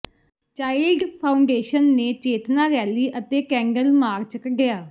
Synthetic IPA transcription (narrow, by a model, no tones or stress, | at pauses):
t͡ʃaːɪlɖpʰaːʊɳɖeːʃənːeːt͡ʃeːt̪naːɾɛːliːʔət̪eːkɛ̃ːŋɡəlmaːɾt͡ʃkəɖɪjaː